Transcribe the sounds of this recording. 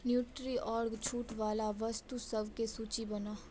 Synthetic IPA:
njuːʈɾiːʔɔːɽɡt͡ʃʰuːʈʋaːlaʋəst̪usəʋkesuːt͡ʃibənaː

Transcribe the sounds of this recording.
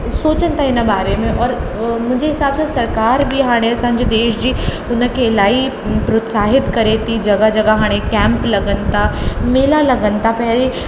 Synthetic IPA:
soːt͡ʃə̃nt̪ʰaɪnəbaːɾemẽʔɔːɾ | mʊd͡ʒʱeɦɪsaːbsesɐɾkaːɾbʱiɦaːɽ̃esãɲd͡ʒed̪eːʃd͡ʒiː | ʊnə̃kelaːi | pɾot̪saːɦɪt̪kɐɾet̪id͡ʒɐɡad͡ʒɐɡaɦaːɽ̃ekɛ̃ːmplɐɡənt̪ameːlalɐɡənt̪apɛɦle

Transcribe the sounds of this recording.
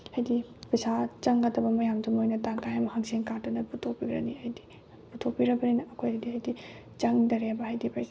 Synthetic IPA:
hɐjdipɐsat͡ʃɐŋɡatʰɐbɐmɐjamdumojnɐtaŋkajamɐhɐŋseŋkatɐnɐputʰopiɡɾɐ̰niɐjdi̥ | putʰopiɾɐbɐninɐʔɐkʰojɐjdiɐjdi | t͡ʃɐŋdɐɾebɐɦajdipaj

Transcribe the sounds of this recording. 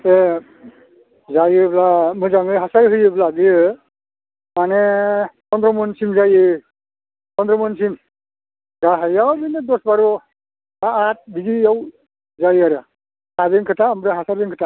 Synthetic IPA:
e | zajɯblamɯzaŋɯɦasajɦɯjɯbladijɯ | manekɔndɾɔmɔnsimzajɯ | kɔndɾɔmɯnsim | ɡaɦajawbinedɔsbaɾɔ | aat̚biɡiaw | zajaɾɯ | habeŋkʰɯtʰaːmbɾaɦasaɾbiŋkʰɯtʰa

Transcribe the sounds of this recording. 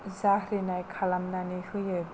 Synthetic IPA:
zahɾinajkʰalamnanihɯjɯj

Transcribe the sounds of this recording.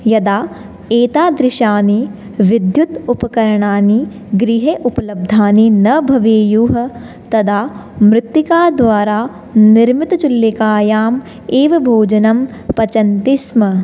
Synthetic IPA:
jɐd̪aː | eːt̪aːd̪ɾɪʃaːni | ʋid̪jut̪upɐkɐɾɐɳaːni | ɡɾiɦeːʔupɐlɐb̚d̪ʱaːninɐbʱɐʋeːjuːɦɐ | t̪ɐd̪aːmɾɪt̪ːikaːd̪ʋaːɾaː | niɾmit̪ɐt͡ʃulːikaːjaːm | eːʋɐbʱoːd͡ʒɐnɐmpɐt͡ʃɐnt̪ismɐ

